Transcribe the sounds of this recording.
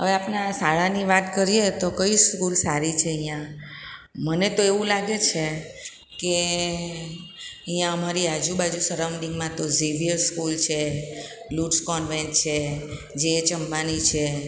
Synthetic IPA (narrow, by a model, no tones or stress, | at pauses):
ɦəʋeapnasaɭaniʋat̪kəɾiet̪okəiskulsaɾit͡ʃʰeəɦj̃jã | mənet̪oeʋũlaɡet͡ʃʰe | ke | əɦĩjãəmaɾiad͡ʒubad͡ʒusəɾawnɖiŋɡmãt̪oziʋijəskult͡ʃʰe | luʈskɔnʋɛ̃nʈt͡ʃʰe | d͡ʒet͡ʃəmbanit͡ʃʰe